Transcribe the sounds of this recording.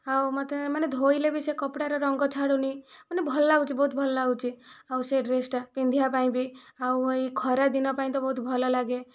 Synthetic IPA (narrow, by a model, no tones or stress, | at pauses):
awmɔt̪emaned̪ʱoilebʱisekɔpɽaɾɔɾɔŋɡɔt͡ʃʰaɽunimanebʱɔlɔlaɡut͡ʃʰibɔɦut̪bʱɔlɔlaɡut͡ʃʰiawseɖɾesʈpind̪ʱijapaĩbʱiauikʰɔɾad̪inɔpaĩt̪ɔbɔɦut̪bʱɔlɔlaɡe